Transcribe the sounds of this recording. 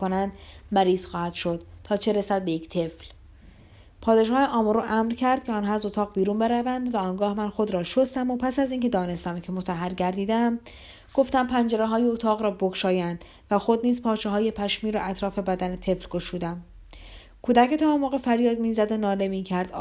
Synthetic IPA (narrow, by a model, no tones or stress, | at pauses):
konænd̪mæɾiːz̥xɒːhæd̪̥ʃo̞d̪̥t̪ʰːɒːt͡ʃʰe̞ɾesæd̪̚be̞jekcʰt̪ʰe̞fl | pʰɒːd̪e̞ʃɒːjeʔɒːmoɾuʔæmɾcʰæɾd̪̥̚cʰeɒːnɦɒːæzo̞t̪ʰɒːɣbiːɾunbe̞ɾævænd̪væɒːŋɡɒːhmænxo̞d̪ɾɒːʃost̪æmo̞pʰæsæziːŋcʰe̞d̪ɒːne̞st̪æmcʰe̞mot̪ʰæɦːæɾɟæɾd̪iːd̪eæm | ɡ̥o̞ft̪æmpʰænd͡ʒeɾeɦɒːjeot̪ʰɒːɣɾɒːbokʃɒːjænd̪̥ | væxo̞d̪niːzpʰɒːt͡ʃʰeɦɒːje̞pʰæʃmiːɾɒ̰ːʔæt̪ʰɾɒːfe̞bæd̪æne̞t̪ʰe̞flɡo̞ʃuːd̪æm | kʰuːd̪æckʰet̪ʰæɒmoɣefæɾjɒːd̪miːzæd̪o̞nɒːle̞miːcʰæɾd̪